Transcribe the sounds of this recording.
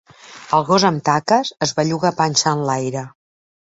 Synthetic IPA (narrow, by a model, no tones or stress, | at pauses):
əlˠɣozəmt̪akəzəzβaʎuɣapanʲsanlajɾə